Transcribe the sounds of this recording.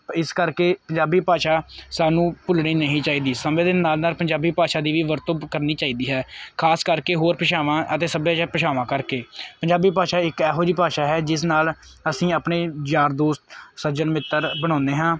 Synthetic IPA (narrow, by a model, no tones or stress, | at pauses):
ɪskəɾkeːpəɲd͡ʒaːbiːpaːʃaːsaːnũːpʊlɳiːnəɦĩːt͡ʃaːiːd̪iːsəmẽːd̪enaːlnaːlpəɲd͡ʒaːbiːpaːʃaːd̪iːʋiːʋəɾt̪õːkəɾniːt͡ʃaːiːd̪iːɦɛːkʰaːskəɾkeːɦoːɾpəʃaːʋãːʔət̪eːsəbjãt͡ʃapəʃaːʋãːkəɾkeːpəɲd͡ʒaːbiːpaːʃaːɪkɛːɦoːɾiːpaːʃaːɦɛːd͡ʒɪs̬naːl | əsĩːaːpneːd͡ʒaːɾd̪oːst̪səd͡ʒənmɪt̪ːəɾbəɽ̃ãːnd̪eːɦãː